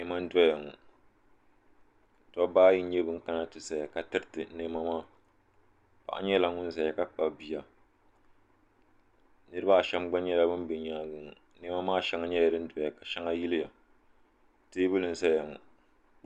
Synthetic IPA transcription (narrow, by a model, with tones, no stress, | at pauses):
ne˦ma˦n̩˦dɔ˦ja˨ŋɔ̰˨ | tɔ˦baː˦ji˦ɲɛ˦bɨ˦ŋ̩˦ka˦na˦tɨ˨sa˨ja˨ka˨tɨ˦ɾtɨ˨˦ne˦ma˦maː˦˨ | pa̰˨ʔa̰˦ɲɛ˦la˨ŋʊ˦n˦za˨ja˨ka˦k͡pa˨bbi˨ja˨ | nɨ˦ɾɨ˦ba˦˨ʃɛ˦mɡ͡ba˦ɲɛ˦la˦bɨ˦n˦be˨ɲaː˨˦˨ɡɨ˨ŋ˨ | ne˦ma˦maː˦˨ʃɛ˦ŋa˦ɲɛ˦ja˨ɾɨ˦n̩˦dɔ˨ja˨ka˨ʃɛ˦ŋa˦ji˦lɪ˦ja˨ | teː˦bɨ˦lɨ˨n̩˦˨sa˦ja˨ŋɔ̰˨